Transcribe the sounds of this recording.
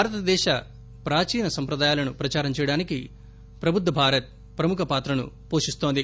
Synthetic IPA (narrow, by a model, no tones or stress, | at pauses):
bʱaːɾɐt̪ɐd̪ɛːʃɐ | pɾaːt͡ʃiːnɐsɐmpɾɐd̪aːjaːlɐnupɾɐt͡ʃaːɾɐmt͡ʃɛːjɐɽaːniki | pɾɐbʱud̪ʋɐbʱaːɾɐt̪̚ | pɾɐmukʰɐpaːt̪ɾɐnṵ | poːʂist̪oːnd̪i